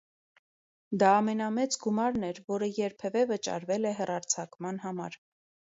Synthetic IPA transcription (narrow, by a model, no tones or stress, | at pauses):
d̪ɑːmɛnɑmɛt͡sɡumɑɾn̪ɛɾvɔɾəjɛɾpʰɛvɛvət͡ʃɑ̰ɾvɛlɛɦɛrɑɾt͡sʰɑkmɑnɦɑmɑɾ